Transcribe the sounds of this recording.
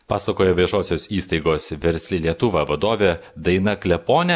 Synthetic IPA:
pɑ̰ːsɐkoːjɛʋʲiɛʒoːsʲoːsiːst̪ɐɪɡoːsʋʲɛɾʲsʲlʲɪlʲiɛt̪ʊʋɑʋɐd̪oːʋʲed̪ɐɪnɐklʲɛpoːnʲɛ

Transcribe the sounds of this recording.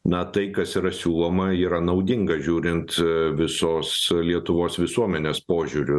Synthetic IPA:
nɐt̪ɐɪkɐsiːɾɐsʲuːlˠoːmɐiːɾɐnɐʊd̪ʲɪŋɡɐʒʲuːɾʲɪnt̪ʋʲɪsoːslʲiɛt̪ʊʋoːsʋʲɪsuɔmʲɛnʲeːspoːʒʲuːɾʲʊ

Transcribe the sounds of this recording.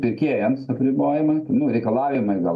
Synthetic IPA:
pʲɪɾʲkʲeːjɛmsɐpʲɾʲɪboːjɪmɐɪt̪ɐnʊɾʲɛɪkɐlˠɑːʋʲɪmɐɪɡɐ

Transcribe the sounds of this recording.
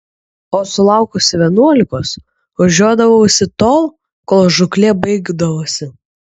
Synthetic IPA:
oːsʊlˠɑˑʊkʊsʲɪʋʲiɛnuɔlʲɪkoːs | ʋɐʒʲuɔd̪ɐʋɐosʲɪt̪oːlˠ | koːlˠʒʊklʲeːbɐɪɡd̪ɐʋoːsʲɪ

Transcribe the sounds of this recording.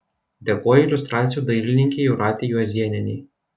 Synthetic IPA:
d̪ʲɛkoːjɛɪlʲʊst̪ɾɑːt̪sʲɪjuːd̪ɐɪlʲɪnʲɪŋʲkʲeːjɛʊɾɑːt̪ʲejuːɐzʲiɛnʲɛnʲɛː

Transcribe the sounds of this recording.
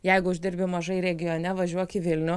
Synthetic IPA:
jɛɪɡʊʊʒʲd̪ʲɪɾʲbʲɪmɐʒɐɪɾʲɛɡʲɪjoːnʲɛʋɐʒʲuɔkʲɪʋʲɪlʲnʲʊ

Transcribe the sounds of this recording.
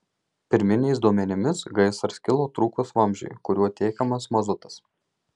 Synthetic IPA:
pʲɪɾʲmʲɪnʲɛɪsd̪uɔmʲɛnʲɪmʲɪsɡɐɪsɐɾsʲkʲɪlˠoːt̪ɾuːkosʋɐˑmʲʒʲɛ̰ɪkʊɾʲuɔt̪ʲeːkʲɐmɐsmɐzʊt̪ɐ̥s

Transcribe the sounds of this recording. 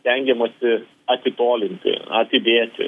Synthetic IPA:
t̪ʲɛŋʲɡʲɛmɐsʲɪ | ɐt̪ʲɪt̪oːlʲɪnʲt̪ʲɪ̰ɐ̰t̪ʲɪd̪ʲeːt̪ʲɪ̰

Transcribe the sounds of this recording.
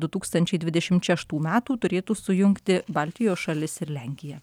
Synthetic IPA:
d̪ʊt̪uːkst̪ɐnʲt͡ʃʲɛɪd̪ʲʋʲɪd̪ʲɛʃʲɪmt̪ʃʲɛʃt̪uːmʲæːt̪uːt̪ʊɾʲeːt̪uːsʊjʊŋkt̪ʲɪbɑlʲt̪ʲɪjoːsʃɐlʲɪsɪɾlʲɛŋʲkʲɪjɛ

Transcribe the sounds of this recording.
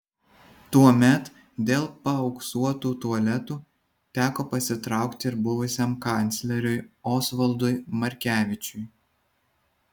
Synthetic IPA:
t̪uɔmʲɛt̪ | d̪ʲeːlˠpɐɒʊksuɔt̪uːt̪uɐlʲɛt̪uː | t̪ʲæːkoːpɐsʲɪt̪ɾɑˑʊkt̪ʲɪɾbʊʋʊsʲɛmkɑnʲt̪sʲlʲɛɾʲʊjoːsʋɐlˠd̪ʊjmɐɾʲkʲæːʋʲɪt͡ʃʲʊj

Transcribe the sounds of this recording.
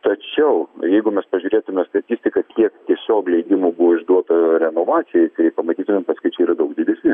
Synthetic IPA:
t̪ɐt͡ʃʲɛʊjɛɪɡʊmʲɛspɐʒʲuːɾʲeːt̪ʊmʲɛst̪ɐt̪ʲiːsʲt̪ʲɪkɐkʲiɛkt̪ʲiɛsʲoːklʲɛɪd̪ʲɪmubuʋɪʒd̪uɔt̪ɐɾʲɛnoːʋɑːt͡ssʲɪjɛɪt̪ɐɪpɐmɐt̪ʲiːt̪ʊmʲɛmpɐskʊɪt͡ʃʲɛiːɾɐd̪ɐʊk̚d̪ʲiːd̪ʲɛsʲnʲɪ

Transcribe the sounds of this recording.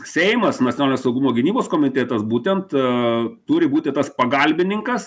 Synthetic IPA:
sʲɛɪmɐsnɐtʲsʲonɑlɪnʲeːsɐʊɡʊmoːɡʲɪnʲiːboːskoːmʲɪt̪ʲɛːt̪ɐsbuːt̪ʲɛnt̪ | t̪ʊɾʲɪbuːt̪ʲɪt̪ɐspɐɡɐlʲbʲɪnʲɪŋkɐs

